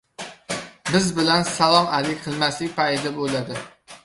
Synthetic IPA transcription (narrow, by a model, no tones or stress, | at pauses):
bɪzbɪlansalˠɒmalɪkʲqʰɨlˠmaslɪkʲpaj̪d̪abolad̪ɪ